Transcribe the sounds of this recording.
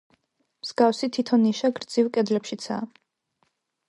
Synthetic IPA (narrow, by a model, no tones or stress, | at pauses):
mz̥ɡafsit̪ʰit̪ʰɔnːiʃaɡɾd̪zivkʼɛd̪lɛpʃit̪sʰa̰